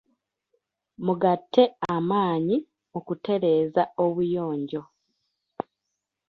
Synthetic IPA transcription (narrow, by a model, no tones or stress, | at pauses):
muɡatʰːe̞amaːɲi | okute̞ɾe̞ːzao̞βujo̞ːɲɟo̞